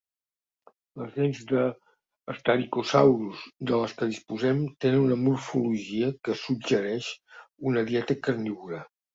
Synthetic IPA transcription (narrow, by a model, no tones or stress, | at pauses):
ləzðɛnzd̪əː | st̪aɾikusawɾuzd̪ələskəð̞ispuzɛmt̪enənunəmuɾfuluʒiəkəsudd͡ʒəɾɛʃunəðiɛt̪əkəɾniβuɾa